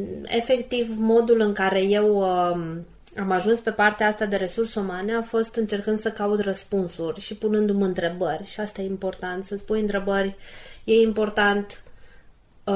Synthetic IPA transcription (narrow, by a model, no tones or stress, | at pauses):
e̞̰fe̞kt̪ivmo̞d̪ulɨŋkaɾe̞je̞w | amaʒunspe̞part̪eaast̪ad̪e̞ɾe̞sursumaneafo̞st̪ɨnt͡ʃe̞rkɨnd̪səkaud̪rəspunsurʲʃipunɨnd̪umɨnt̪ɾe̞bərʲʃiast̪ajeimpo̞rt̪ant̪səspujɨnt̪ɾe̞bərʲje̞impo̞rt̪ant̪